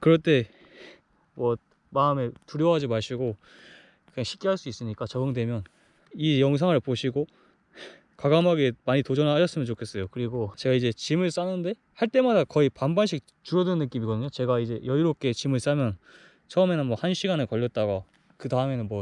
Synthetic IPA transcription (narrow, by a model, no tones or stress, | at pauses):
kɯɾʌt͈e̞ | mwʌ | maɯme̞tuɾjʌɦad͡ʑimaɭɕ͈iɡo | aŋɕʰi̥k͈iɦaɭs͈uis͈ɯɲik͈at͡ɕʌɡɯŋdwe̞mjʌn | ijʌŋs̬ʰaŋɯɭpoɕʰiɡo | kaɡamɦaɡe̞maɲitod͡ʑʌnaɦaɕʰʌs͈ɯmjʌnt͡ɕokʰe̞s͈ʌjokɯɾiɡot͡ɕe̞ɡaid͡ʑe̞t͡ɕimɯɭs͈anɯnde̞ | haɭt͈e̞madakʌipambanɕʰik̚ | t͡ɕuɾjʌdɯnɯnːɯk͈imiɡʌdɯɲot͡ɕe̞ɡaid͡ʑe̞jʌiɾok͈e̞t͡ɕimɯɭs͈amjʌn | t͡ɕʰʌɯme̞nɯnmwʌhanɕʰiɡanɯɭkʌʎːʌt̚t͈aɡa | kɯtaɯme̞nɯnmwʌ